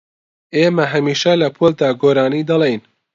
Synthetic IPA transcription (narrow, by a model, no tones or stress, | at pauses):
eːmɐɦɐmiːʃɛlɐpʰold̪aːɡoːɾaːniːd̪ɐlejn